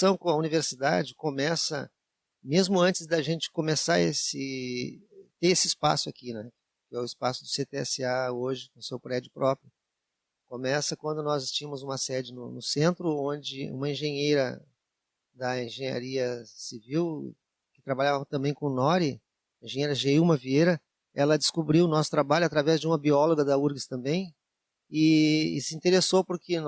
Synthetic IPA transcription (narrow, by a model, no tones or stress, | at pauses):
sɐ̃w̃kõɐuniveɾsid̪a̰d͡ʒɪkõmɛsɐ̰ | mezmʊɐ̃nt͡ʃɪzd̪ɐʒẽnt͡ʃɪ̥kõmesaɾesɪ | t̪eesɪɪspa̰sʊakinɛ | kɪɛʊɪspasʊd̪ʊset̪eɛsɪaoʒɪnʊsewpɾɛd͡ʒʊpɾʔɔpɾjʊ | kõmɛsɐkwɐ̃nd̪ʊnɔzɪst͡ʃĩɲɐ̃mʊzũmɐsɛd͡ʒɪnʊnʊsẽnt̪ɾʊõd͡ʒɪṵ̃mɐẽʒẽɲejɾɐ | d̪ɐẽʒẽɲa̰ɾiɐsiviw | kɪ̥t̪ɾabaʎavɐt̪ɐ̃mbẽj̃kõnɔɾɪ | ẽʒẽjejɾɐʒeumɐviejɾɐ | ɛlɐd͡ʒɪskubɾiwʊnɔsʊ̥t̪ɾabaʎʊat̪ɾavɛzd͡ʒɪũmɐbiɔloɡɐd̪ɐuɾɡɪst̪ɐ̃mbẽj̃ | ɪɪsɪĩnt̪eɾesowpʊɾkɪn